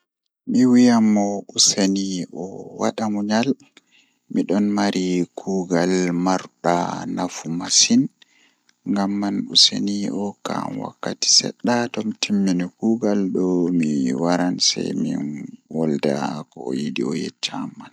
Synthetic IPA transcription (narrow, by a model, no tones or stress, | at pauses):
miwijamːɔʔuseniʔɔwaɗamuɲal | miɗɔnmaɾʔikʰuːɡalmaɾɗa̰nafumasin | ŋɡamːanuseniʔɔka̰mwa̰kːati̥sɛ̰ɗːatɔmtʰimːinikuːɡalɗɔmiwaɾansa̰jmḭnwɔlda̰kɔɔjidḭɔjɛ̰t͡ʃːamːan